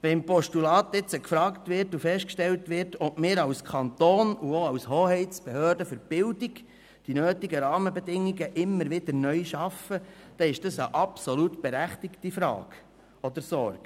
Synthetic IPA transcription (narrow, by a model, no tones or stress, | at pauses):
ʋɛmpɔʃtulɑːt̪ɪt͡səkfɾɑːktʋɪɾtufɛʃtkʃtɛltʋɪɾtɔʔmɪːɾɑwskʰɑnt̪oːnuoɑwshoːhɛɪt͡sb̥ɛhøːɾdəfʏɾb̥ɪldiɡ | d̥inøːtiɡəɾɑːməbɛdɪŋːiɡəʔɪmːəɾʋɪd̥̪əɾnœʏjʃɑfəd̥ɛɪʃd̥ɑsəʔɑpsɔlutb̥eɾæχtɪktifɾɑ̰ːɡ̥ | ɔd̪əɾsɔɾɡ